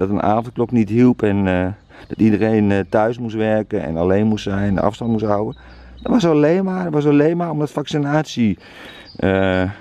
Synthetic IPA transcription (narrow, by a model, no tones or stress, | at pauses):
d̥ɔtəna̰ːvnt̚kloknitɦilˠpɛn | d̥ɔtidəreːntœɥsmustʋɛrkənɛ̰naleːnmustsɛjn̰nʔɑ̰fstɑnt̚musɦawə | d̥ɔtʋɔsleːmadtʋɔsaleːmaːomdɔtfaksinaːsji | ʔə